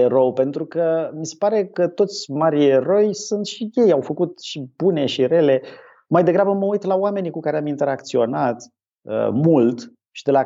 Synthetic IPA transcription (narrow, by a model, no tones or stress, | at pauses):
eɾowpe̞nt̪ɾukəmise̞̥paɾe̞kət̪o̞t̪sʲmaɾieɾo̞jsunt̪ʃije̞jawfəkut̪ʃib̥une̞ʃire̞le̞ | majd̪e̞ɡɾabəməujt̪lawame̞nikukaɾeamint̪e̞ɾakt̪sio̞nat̪ | ə̰mult̪ | ʃid̪e̞la